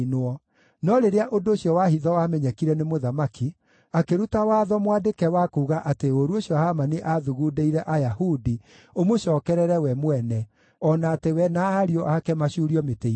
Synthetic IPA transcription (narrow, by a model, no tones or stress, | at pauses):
nɔ | nɔɾeɾeaʔondoːɕjɔwahiðɔwamɛɲɛkiɾɛnemoðamaki | akeɾutawaːðɔmwadekɛwakuːɣaʔateoɾuoɕjɔhamaneʔaðuɣudeiɾɛʔajahudi | omoʃɔːkɛɾɛɾɛwɛmwɛnɛ | ɔnaːtewɛnaːɾiɔʔakɛmaʃuɾiɔmetei